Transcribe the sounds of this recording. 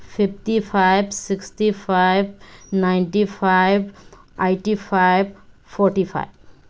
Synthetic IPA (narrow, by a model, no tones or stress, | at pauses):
pʰip̚ʰʈipʰaɪbsiksʈipʰajb̚naɪɳʈipʰaɪb | aɪʈipʰaɪbfʰɔɾʈipʰa̰jb